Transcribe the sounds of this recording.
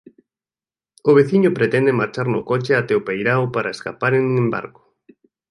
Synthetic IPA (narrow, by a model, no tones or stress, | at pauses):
ʊβ̞eθiɲʊpɾet̪ɛnd̪emaɾt͡ʃaɾnʊkot͡ʃeat̪ɛopejɾawpaɾaeska̰paɾenuŋemba̰ɾkʊ̥